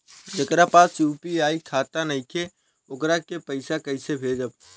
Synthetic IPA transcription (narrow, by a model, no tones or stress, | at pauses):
d͡ʒəkɾapasjupiaːikʰat̪anəɪkʰe | okɾakepəɪsakəɪsebʱed͡ʒəb̚